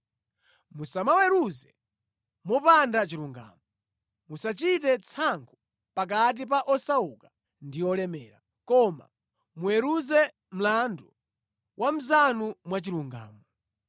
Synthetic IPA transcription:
musamawɛɾuzɛ | mɔpandat͡ʃiɾuŋɡa̰ːmɔ | musat͡ʃitɛt͡sʰaŋkʰu | pak̬at̬ip̬aʔɔsauka | ndiɔlɛmɛːɾa̰ | kɔma̰ | muɛɾuzɛ | m̩landɔ | wʔam̩zanumwat͡ʃiɾuŋɡa̰ːmɔ

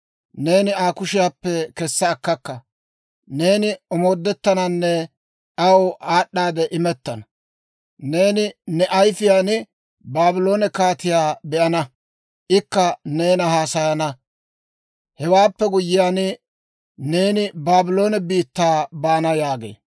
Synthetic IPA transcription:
ne̞ːnɪaːkʊʃɪjaːpːɛkɛsːɐːkːɐkːɐ | ne̞ːnɪɔmo̞ːd̪ːɛt̪ːɐnɐnːɛ | ʔɐwʔaːɗːaːd̪ɛʔɪmɛt̪ːɐnɐ | ne̞ːnɪnɛʔɐjfɪjaːnɪ | baːbɪlo̞ːnɛkaːt̪ɪjaːbɛʔɐnɐ | ʔɪkːɐne̞ːnɐhaːsɐjɐnɐ | hɛwaːpːɛɡʊjːɪjaːnɪ | ne̞ːnɪbaːbɪlo̞ːnɛbiːt̪ːaːbaːnɐjaːɡḛː

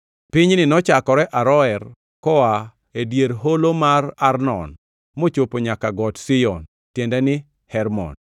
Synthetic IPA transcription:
pɪɲnɪnɔt͡ʃakɔɾɛʔaɾɔɛɾ | kɔa | edjeɾɦolomararnɔ̰n | mot͡ʃopoɲakaɡɔtsijɔn | tjendɛnɪ | hɛɾmɔ̰n

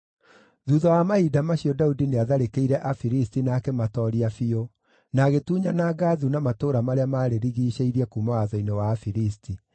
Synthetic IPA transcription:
ðuðawamaidamaɕiɔdaudineaðaɾekeiɾɛʔafiɾistinaːkɛmatɔɾiafio | naɣetuːɲanaɡaðunamatoːɾamaɾeamaːɾeɾiɣiːɕeiɾiɛkumawaðɔinewaːfiɾisti

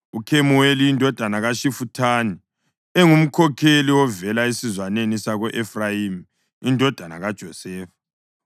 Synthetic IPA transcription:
ukʰemuwelijindʱɔd̥ʱanaɣaʃifutʰaːni | eŋum̩kʰɔkʰeliwɔvɛlaesizwanenisaɣɔʔefrajim | indʱɔd̥ʱana̰ɣad̥ʒ̥ʱɔsɛːfḁ

